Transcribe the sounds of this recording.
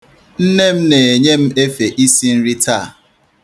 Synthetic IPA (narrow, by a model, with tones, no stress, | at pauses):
n̩˦ne˦m̩˦ne˨e˨ɲe˦m̩˦e˦fe˨ʔi˦si˦n̩˦ɾi˦ta˦˨